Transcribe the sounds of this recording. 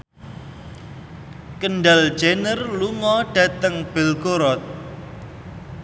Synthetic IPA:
kənɖal̥ʒ̥enərluŋɔɖ̥ä̤t̪əŋb̥e̤lkoɾɔt̪̚

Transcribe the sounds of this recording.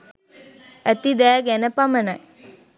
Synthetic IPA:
æt̪id̪æːɡɛnəpaməna

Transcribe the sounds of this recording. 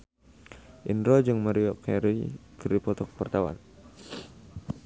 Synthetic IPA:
ʔinɾɔd͡ʒɨŋmaɾiɔkɛɾikəripɔt̪ɔk̚pərt̪awa̰n

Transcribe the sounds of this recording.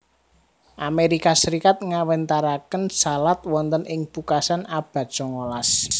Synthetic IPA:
ʔameɾikasəɾikat̪̚ŋawɛnt̪aɾakənsalat̪wɔnt̪ənʔɪŋpukasanab̥a̤t̪̚t͡ʃɔŋolas

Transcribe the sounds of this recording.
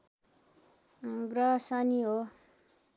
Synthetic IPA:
ɡɾasaniɦo

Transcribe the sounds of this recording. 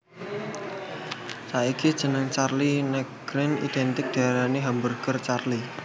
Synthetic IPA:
saikid̥ʒ̥ə̤nəŋt͡ʃarlinɛɡ̥ɾɪnḭd̪̥ɛnt̪ɪk̚d̪̥a̤ɾaneɦambərkərt͡ʃarli

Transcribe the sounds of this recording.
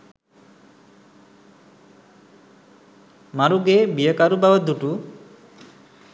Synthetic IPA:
maɾuɡebijəkaɾubawəd̪uʈu

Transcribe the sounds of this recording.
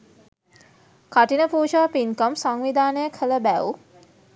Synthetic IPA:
kaʈinəpuːʃaʋpiŋkəmsaŋʋid̪aːnəjəkʰələbæu

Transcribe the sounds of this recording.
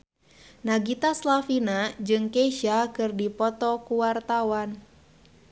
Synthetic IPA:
naɡit̪aslafinad͡ʒɨŋkeʃakɨrdipɔt̪ɔkuwart̪awan

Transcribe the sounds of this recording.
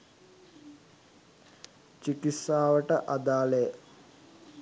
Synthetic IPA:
t͡ʃikisaːʋəʈəʔad̪aːlejə

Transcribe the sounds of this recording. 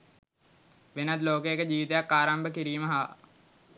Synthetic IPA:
ʋenat̪loːkəjekəd͡ʑiːʋit̪ejakːaːɾambəkiɾiːməɦaː

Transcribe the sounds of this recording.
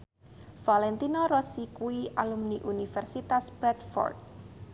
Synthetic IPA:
falɛnt̪inɔɾɔsikuiʔalumniʔunifɛrsit̪aspɾɛt̪fɔ̰rt̪̚

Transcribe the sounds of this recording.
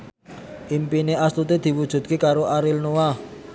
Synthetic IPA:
ʔimpineʔaslut̪ed̪̥i̤wud̥ʒ̥ṳt̪̚kekaɾoaɾɪlnoa

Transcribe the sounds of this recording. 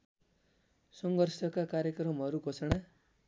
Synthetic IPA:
sʌŋɡʌrsʌkakaɾjekrʌmʌɾuɡʌsʌɽa

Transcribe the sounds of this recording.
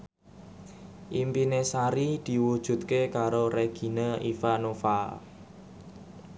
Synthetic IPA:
ʔimpinesaɾid̪̥i̤wud̥ʒ̥ṳt̪̚kekaɾoɾeɡ̥i̤nəifanofa

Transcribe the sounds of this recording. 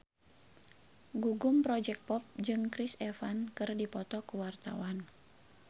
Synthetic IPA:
ɡuɡumpɾɔd͡ʒɛk̚pɔp̚d͡ʒɨŋkɾisɛfankɨrdipɔt̪ɔkuwart̪a̰wan

